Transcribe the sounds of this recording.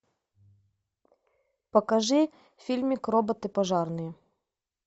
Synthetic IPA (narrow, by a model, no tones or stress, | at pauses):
pɐkɐʐɨ | fʲilʲmʲikrɔbɐt̪ɨpɐʐɑrnɨjɛ